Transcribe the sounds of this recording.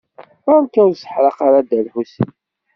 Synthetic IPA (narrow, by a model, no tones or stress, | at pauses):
æɾmkːæsə̥ħɾˤɑqaɾad̪ælħus